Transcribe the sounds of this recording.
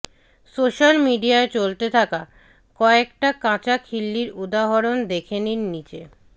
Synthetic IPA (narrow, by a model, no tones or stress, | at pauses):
soʃalmiɖiaet͡ɕolt̪et̪ʰaka | kɔekʈakãt͡ɕakʰilːiɾud̪aɦoɾond̪ekʰeniɾnit͡ɕe